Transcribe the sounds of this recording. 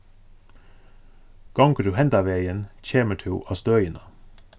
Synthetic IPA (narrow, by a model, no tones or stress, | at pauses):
ɡ̥ɑŋkəd̪ʉːhɛnd̪ɑːʋeɪənc͡çeːməʈʰʉːʔɑːst̪œʏənə